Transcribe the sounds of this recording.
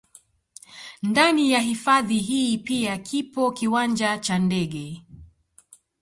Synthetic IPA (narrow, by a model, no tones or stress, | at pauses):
ndanijaɦifaðiɦiːpiakʰipɔkiwand͡ʒat͡ʃandɛɠɛ